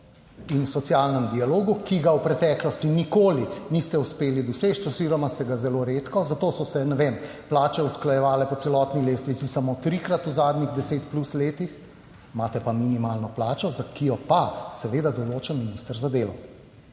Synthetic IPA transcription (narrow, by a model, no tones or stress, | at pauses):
inusɔt̪sjalnɛmd̪ialoːɡukiɡawpɾɛt̪ɛːklɔst̪inikoːlinist̪ɛuspeːlid̪ɔseːt͡ʃt̪ɔziɾɔmast̪ɛɡazɛloɾeːt̪kɔzat̪oːsɔsɛnɛʋem | plaːt͡ʃɛusklajɛʋaːlɛpɔt̪sɛlɔt̪nileːst̪ʋisisamot̪ɾikɾat̪uzaːd̪ɲiɣd̪ɛseːt̪plusleːt̪ix | maːt̪ɛpaminimaːlnɔplaːt͡ʃɔzakijɔpasɛʋeːd̪ad̪ɔloːt͡ʃənminist̪əɾzad̪eːlɔ